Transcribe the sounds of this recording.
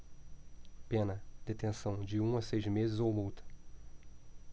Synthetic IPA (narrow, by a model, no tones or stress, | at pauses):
pẽnɐd̪et̪ẽsɐ̃w̃d͡ʒɪũɐsejzmezɪzowmuwt̪ɐ̥